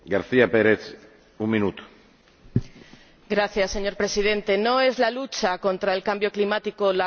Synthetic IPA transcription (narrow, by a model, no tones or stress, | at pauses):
ɡaɾθiapeɾet͡s | umːinut̪ | ɡɾaθjasːe̞ɲo̞ɾpɾe̞sið̞ẽ̞nt̪e̞no̞e̞zlalut͡ʃako̞nt̪ɾaelkambjo̞klimat̪iko̞la